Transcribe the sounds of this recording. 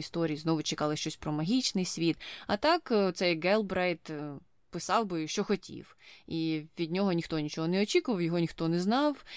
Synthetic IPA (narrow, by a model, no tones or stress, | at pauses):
ist̪ɔɾʲijiznɔʋʊt͡ʃekɑlˠɪʃt͡ʃɔsʲpɾɔmɐɦʲit͡ʃnɪjsʲʋʲit̪ɐt̪ɑkt̪sɛjɡɛlˠbɾɛjt̪ | pɪsɑwbɪʃt͡ʃɔxɔtʲʰḭwiʋʲid̪ʲnʲɔɦɔnʲixt̪ɔnʲit͡ʃɔɦɔnɛɔt͡ʃʲikʊʋɐwjɔɦɔnʲixt̪ɔnɛznɑw